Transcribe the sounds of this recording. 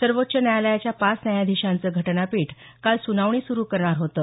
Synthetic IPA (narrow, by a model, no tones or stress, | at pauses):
səɾʋot̪ːɕənjajaləjat͡ɕjapat͡snajad̪ʱiɕant͡səːɡʱəʈnapiːʈ | kalsunaʋɳ̃iːsuɾuːkəɾɳaɾɦot̪ə